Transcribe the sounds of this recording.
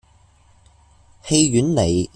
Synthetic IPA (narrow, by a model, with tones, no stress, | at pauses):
he˧jɥyː˨˥nle˨˩j